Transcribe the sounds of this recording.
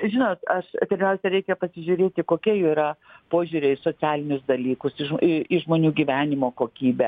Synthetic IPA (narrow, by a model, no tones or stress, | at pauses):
ʒʲɪnoːt̪ɐʃpʲɛɾʲmʲɛʊsʲɛɾʲɛɪkʲɛpɐsʲɪʒʲuːɾʲeːt̪ʲɪkoːkʲiɛiːɾɐpoːʒʲuːɾʲɛɪsoːt͡sʲæːlʲɪnʲʊsd̪ɐlʲiːkʊsɪɪɪʒmoːnʲuːɡʲiːʋʲæːnʲɪmoːkoːkʲiːbʲɛ